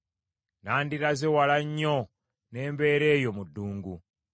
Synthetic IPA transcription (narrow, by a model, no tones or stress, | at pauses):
naːndiɾazewalaɲːo | ne̞ːmbe̞ːɾe̞ːjo̞mudːuːŋɡu